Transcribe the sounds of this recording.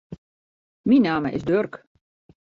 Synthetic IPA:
minaːməʔɪ̰zdørk

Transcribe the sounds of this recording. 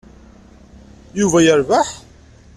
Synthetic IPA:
juvæjəɾvaħ

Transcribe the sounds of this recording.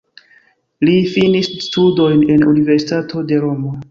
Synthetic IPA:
lifinisstudo̞jne̞nunive̞ɾsitatʰo̞de̞ɾo̞mo

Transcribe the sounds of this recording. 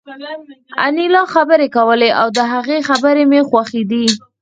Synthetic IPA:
a̰nilɑxabəɾekawəleʔawd̪əɦaɣexabəɾemexwaxid̪i

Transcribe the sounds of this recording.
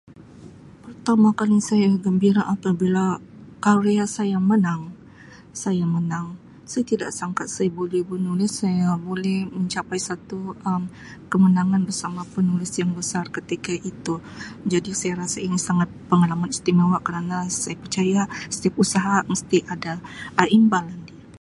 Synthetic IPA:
pərt̪amakalisajaɡəmbiɾaʔapabilakaɾeasajamənaŋ | sajamənaŋ | sajat̪idaʔsaŋkat̪̚sajabolihbənulɪsːajabolɛhməɲt͡ʃapajsat̪uəm | kəmənaŋanbərsamapənulɪsjaŋbəsarkət̪ikaʔit̪ud͡ʒadisajaɾasainisaŋat̪̚pəŋalamanist̪imawaʔkəɾanasajapərt͡ʃajasə̥t̪iap̚usaɦaməst̪iʔadaːʔimbalandia

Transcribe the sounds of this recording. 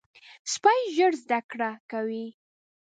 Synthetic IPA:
spɑjʒəɽzd̪akɽakawi

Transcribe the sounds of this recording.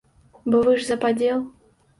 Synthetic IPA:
bɔvɨʐzɐpadʲelˠ

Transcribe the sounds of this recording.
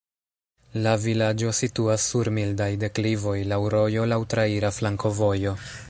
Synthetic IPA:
lavilad͡ʒo̞situasːuɾmildajde̞klivo̞jlawɾo̞jo̞lawtɾaiɾaflaŋko̞vo̞jo̞

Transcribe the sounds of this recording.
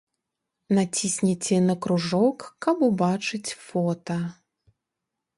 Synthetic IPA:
nat͡sʲisʲnʲit͡sʲɛnɐkɾuʐɔkːɐpubat͡ʂɨt͡sʲfɔt̪ɐ

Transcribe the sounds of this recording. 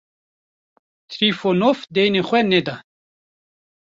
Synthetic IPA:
t̪ʰɾifonofd̪ejneχwɛned̪a

